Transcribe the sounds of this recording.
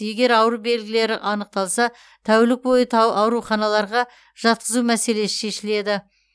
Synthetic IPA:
je̞ɡʲe̞ɾɑwɾube̞lɡʲɪle̞ɾɪʔɑnəq̚t̪ɑlˠsɑ | t̪ʰæwɪlɪk̚bo̞jət̪ʰɑwɾuχɑnɑlˠɑɾʁɑ | ʒ̥ɑt̪̚qəzumæse̞le̞sɪ̥ʃe̞ʃɪle̞d̪ɪ

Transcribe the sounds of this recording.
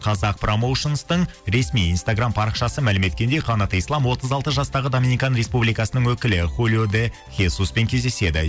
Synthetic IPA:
qʰɑzɑq̚pro̞mo̞wʃonst̪əɴ | ɾe̞smijinst̪aɡrampʰɑɾəqʃɑsəmælɪme̞t̪̚kʲend̪e̞jqʰɑnɑt̪ijslˠɑmwo̞t̪əzɑlˠt̪əzʒɑst̪ɑʁəd̪ominikɑnɾe̞spublijkɑsənəŋwɵkʲɪlɪχulʲjod̪e | χʲesuspe̞ŋkʲʰe̞zd̪e̞se̞d̪ɪ̰

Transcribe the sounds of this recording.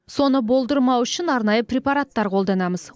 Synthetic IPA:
so̞nəbo̞lˠd̪əɾmɑwʏʃɪnɑɾnɑjəpɾʲepaɾat̪ːɑɾqʰo̞lˠd̪ɑnɑməz̥

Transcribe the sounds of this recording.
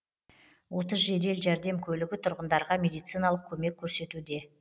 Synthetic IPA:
wo̞t̪əzʒe̞d̪e̞lʒæɾd̪e̞mkʲʰɵlɪɡʲɪt̪ʰʊɾʁənd̪ɑɾʁɑmʲe̞d̪ijt̪sɨjnɑlˠəq̚kʲʰɵme̞kʲʰːɵɾse̞t̪ud̪e̞

